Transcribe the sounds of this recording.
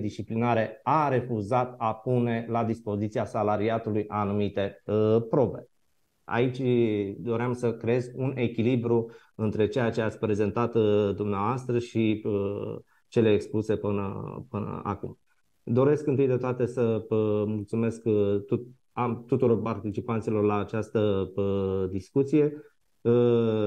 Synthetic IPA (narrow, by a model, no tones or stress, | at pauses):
d̪ist͡ʃiplinaɾe̞aɾe̞fuzat̪apune̞lad̪ispo̞zit̪siasalaɾiat̪ulujʔanumit̪e̞pɾo̞be̞̰ | a̰it͡ʃʲd̪o̞ɾeamsəkɾeezʲune̞kʲilibɾu | ɨnt̪ɾe̞t͡ʃe̞jat͡ʃe̞at̪sʲpɾe̞ze̞nt̪at̪d̪umneavoast̪ɾəʃiə | t͡ʃe̞le̞ːkspluse̞pɨnə̰pɨnə̰a̰kum | d̪o̞ɾe̞skɨnt̪ɨjd̪e̞t̪oat̪e̞səəmult̪sume̞sk̪u | amt̪ut̪uɾo̞rpart̪it͡ʃipant̪silo̞rlaːt͡ʃast̪ə | d̪iskut̪sije̞